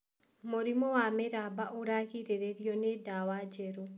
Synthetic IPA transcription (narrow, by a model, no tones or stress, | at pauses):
moɾimɔwameɾabaʔoɾakiɾeɾeɾjonedawad͡ʒeɾo